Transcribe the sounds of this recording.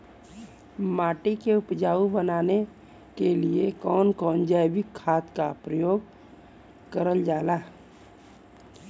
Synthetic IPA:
maːʈikeʊpd͡ʒaːubənaːne | keliekɔːnkɔːnd͡ʒaːbɪkʰːaːt̪kapɾəjoːɡ | kəɾəld͡ʒaːlaː

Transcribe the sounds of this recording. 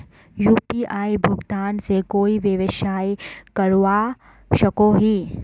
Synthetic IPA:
juːpiʔaːibʱʊɡt̪aːnsekoːiʋeʋɪʃaːikɐɾwa | ʃɐkoɦi

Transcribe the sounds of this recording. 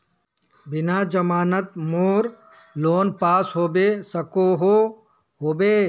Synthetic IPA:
bɪnad͡ʒəmaːnət̪moːɾ | loːnpaːsɦoːbesəkoɦo | ɦoːbeː

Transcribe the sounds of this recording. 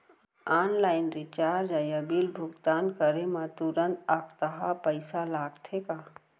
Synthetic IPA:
aːnlaːɪnɾɪt͡ʃaːɾd͡ʒajəbilbʱʊɡt̪aːnkəɾemãt̪uɾənt̪akt̪əɦapəɪsalaːɡt̪ʰeka

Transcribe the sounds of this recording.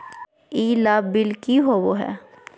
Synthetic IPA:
iːlaːbbɪlkiɦoʋoɦɛ̰ː

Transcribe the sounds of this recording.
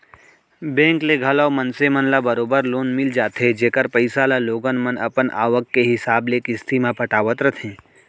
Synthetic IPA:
bɛ̃ːŋkleɡʱɐlaomənsemənlabəɾoːbəɾloːnmɪld͡ʒaːt̪ʰɦed͡ʒeːkəɾpəɪsalaloːɡənmənɐ̰pənʔa̰ːʋəkːeɦɪsaːblekɪst̪ʰimãpɐʈaːʋət̪ɾət̪ʰẽː

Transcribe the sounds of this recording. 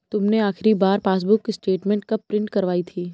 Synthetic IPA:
t̪ʊmneaːxɪɾibaːɾpaːs̬bʊkːisʈeːʈmɛ̃ːɳʈ̚kɐppɾɪ̃ɳʈkɐɾʋaːit̪ʰiː

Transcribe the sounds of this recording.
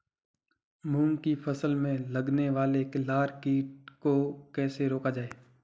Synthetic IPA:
mũːŋkipʰɐsəlmẽlɐɡneʋaːleklaːɾkiːʈ̚kokɛːseɾoːkad͡ʒaːeː

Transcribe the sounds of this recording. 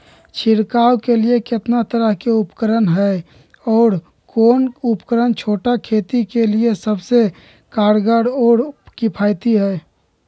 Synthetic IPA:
t͡ʃʰɪɾkaːwkeliekɪt̪nat̪əɾəɦkeʊpkəɾənɦɛ | ɔːɾ | koːnupkəɾənt͡ʃʰoːʈakʰeːt̪ikeliesəbse | kaːɽɡəɽoːɽkipʰaːjt̪iɦɛː

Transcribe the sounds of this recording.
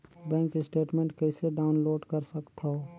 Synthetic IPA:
bɛ̃ːŋkɪsʈeːʈmẽːɳʈkəɪseɖaːʊnloːɖkɐɾsəkt̪ʰaɦo

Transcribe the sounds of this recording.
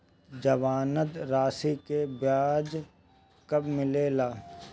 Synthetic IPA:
d͡ʒɐʋaːnəd̪ɾaːsikebjaːd͡ʒ | kɐbmɪleːlaː

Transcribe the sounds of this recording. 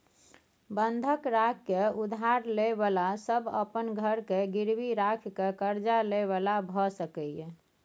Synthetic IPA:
bənd̪ʱəkɾakʰkeud̪ʱaɾlebalasəbə̰pənɡʱəɾkeɡiɾbiɾakʰkekəɾd͡ʒaleβalabʱɔsəkɛɛ

